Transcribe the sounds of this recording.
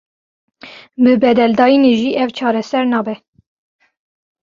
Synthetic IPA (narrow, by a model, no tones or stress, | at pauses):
bɨbɛd̪ɛld̪ɑːjineʒiːʔɛvt͡ʃʰɑːɾɛsɛɾnɑːbɛ